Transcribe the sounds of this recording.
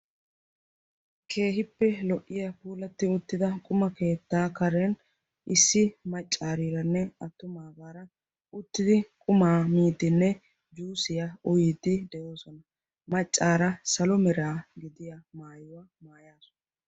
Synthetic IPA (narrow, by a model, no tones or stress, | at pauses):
kʰe̞ːɦɪpːɛlɔʔːɪjɐpuːlɐt̪ːɪʊt̪ːɪd̪ɐkʼʊmɐke̞ːt̪ːaːkɐɾɛn | ʔɪsːɪmɐt͡ʃʼːaːɾiɾɐnːɛɐt̪ːʊmaːɡaːɾɐ | ʊt̪ːɪd̪ɪkʼʊmaːmiːd̪ːɪnːɛ | d͡ʒuːsɪjaɔjɪd̪ːɪd̪ɛʔoːsɔnɐ | mɐt͡ʃʼːaːɾɐsɐlɔmɛɾaːɡɪd̪ɪjamaːjɔwɐ | maːjaːsɔ̥nɐ